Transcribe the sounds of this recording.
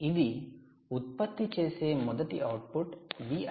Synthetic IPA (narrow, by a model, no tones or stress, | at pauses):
id̪i | ut̪̚pɐt̪ːit͡ʃɛjsemɔd̪ɐʈiʔɐwʈ̚puʈbi